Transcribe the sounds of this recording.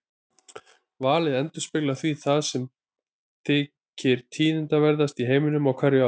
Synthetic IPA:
vaːlɪðɛnt̪ʏ̥spɪklaθviθaðsɛm | t̪ʰɪː | cɪɾ̥t̪ʰiːnɪnt̪avɛɾðast̪iɦeːjmɪnʏmawkʰvɛɾʏa

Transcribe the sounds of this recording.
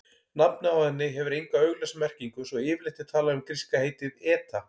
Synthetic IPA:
napnʏawhɛnːɪɦɛvʏɾejŋkaœɥɣlɛsmɛr̥ciŋkʏsɔɣɪːvlɪht̪ɪ̥t̪ʰaːlaʏmkɾiskaheːjt̪ɪðɛːt̪a

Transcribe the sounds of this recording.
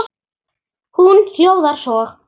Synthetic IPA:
hunhjowðaɾ̥sɔːɣ

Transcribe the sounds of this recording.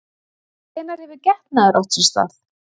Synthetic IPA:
θɛnaɾɛvɪɾcɛht̪naðaɾʔɔht̪sʏnst̪a̰θ

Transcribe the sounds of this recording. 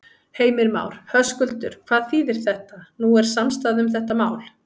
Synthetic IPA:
heːjmɪɾma̰ːwɾ̥hœskʏlt̪ʏɾ̥kʰvaːðθiːðɪɾ̥θɛht̪anuɛɾ̥samst̪aðʏmθɛht̪amaːwl̥

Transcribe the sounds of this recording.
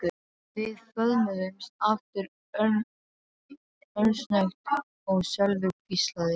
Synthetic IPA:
ʏ | vɪðfœðmʏðʏmsaft̪ɪɾ | œɾsnaxt̪ | ɔɣsœlvʏkist̪laðɪ

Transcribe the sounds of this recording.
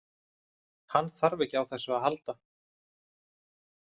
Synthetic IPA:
hanːθaɾvɛcawθɛsːʏaðɦalt̪a

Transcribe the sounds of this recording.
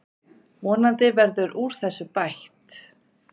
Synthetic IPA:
vɔːnant̪ɪvɛɾðʏɾʔuɾ̥θɛsːʏpajht̪

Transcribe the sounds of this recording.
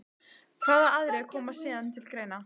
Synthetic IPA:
kʰaːðaaðɾɛkʰɔːmasiːðant̪ʰɪlkɾeːjna

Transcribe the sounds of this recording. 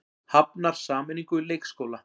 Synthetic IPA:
hapnaɾ̥saːmɛniŋkʏleːjkskowla

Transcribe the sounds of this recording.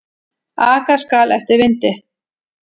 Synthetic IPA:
aːkaskaːlɛft̪ɪɾvɪnt̪ɪ

